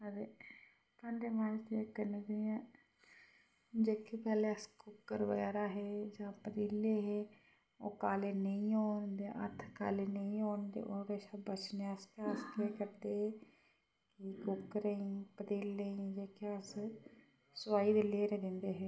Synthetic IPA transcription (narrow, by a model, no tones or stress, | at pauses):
əɾeː | pə̃ɳɖeːmaːd͡ʒd̪iekəneːd͡ʒeãː | d͡ʒeːkeːpɛːleːəskʊkːəɾʋəɣɛːɾaːɦeːd͡ʒãːpəd̪iːleːɦeː | oːkaːleːnəĩːoːɳd̪eːʔə̰t̪ʰka̰ːleːnəĩːoːɳnd̪ḛːʔoːɾɛːʃaːbət͡ʃneəspaːskeːkəɾd̪eːɦɛː | kikʊkːəɾəĩːpəd̪iːlːeĩːd͡ʒeːkeəs | sʊwaːid̪eleːɾeːd̪ɪnd̪eːɦeː